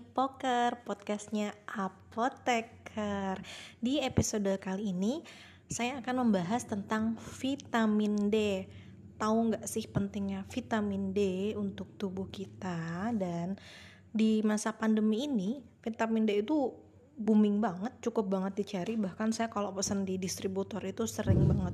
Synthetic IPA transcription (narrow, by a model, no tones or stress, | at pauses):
pokərpɔt̪̚kast̪̚ɲaʔapot̪ekʰərdiepisodəkaliːni | sajaːkanməmbaɦast̪ənt̪aŋfit̪aminde | t̪aʊŋɡaʔsɪhpənt̪ɪŋɲafit̪amindeunt̪ʊk̚t̪ubʊhkit̪adan | dimasapandəmiːnifit̪amindeit̪u | bumɪŋbaŋət̪̚t͡ʃukʊp̚baŋət̪̚dit͡ʃaɾibahkansajakalopəsəndidist̪ɾibut̪ɔrit̪usəɾɪŋbaŋət̪̚